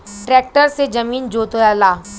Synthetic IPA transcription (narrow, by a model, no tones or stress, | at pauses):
ʈɾɛːk̚ʈəɾsed͡ʒɐmiːnd͡ʒoːt̪ojaːlaː